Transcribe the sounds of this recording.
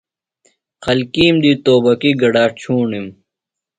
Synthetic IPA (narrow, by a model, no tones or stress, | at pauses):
xɐlkiːmd̪iːt̪oːbɐkiɡɐɖaːt͡ɕʰuːɳim